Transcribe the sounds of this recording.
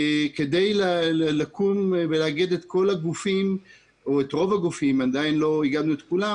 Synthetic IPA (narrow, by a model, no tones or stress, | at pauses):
ked̪ejlalelakumveleaɡed̪et̪ko̞laɡufim | oet̪ʁo̞vaɡufimad̪ainlo̞iɡad̪nuet̪kula